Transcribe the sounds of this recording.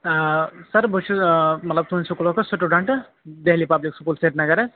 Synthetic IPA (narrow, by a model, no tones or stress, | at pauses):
sɐɾbʱot͡ʃʰumɐt̪lɐb̚t̪unsukulokosuʈuɖaɳʈ | d̪eɦlipabliksukulseʈnɐɡɐɾe